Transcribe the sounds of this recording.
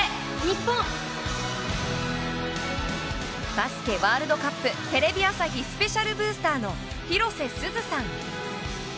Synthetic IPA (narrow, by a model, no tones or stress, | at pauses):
ɲipːõ | ɡ̥asɨ̥ke̞βaːɾɯ̟d̪o̞kapːɯt̪e̞ɾe̞bʲiasaɡʲisɨ̥pe̞ɕaɾɯ̟bɯːsɨ̥t̪aːno̞ | çiɾo̞se̞sɨzɨsãŋ